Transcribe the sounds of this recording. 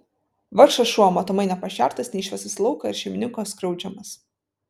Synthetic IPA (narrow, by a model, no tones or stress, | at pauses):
ʋɐɾʃɐsʃumɐt̪ɔmɐɪnʲɛpɐʃʲæˑɾt̪ɐsnʲɛɪʃʲʋʲɛsɐslˠɐʊkɐɪɾʃʲɛɪmʲɪnʲɪŋkoːskɾɐʊd͡ʒʲɛmɐs